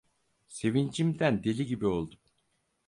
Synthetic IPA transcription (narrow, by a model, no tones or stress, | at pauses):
se̞vind͡ʒimd̪ænd̪e̞lʲiɟibiolˠd̪um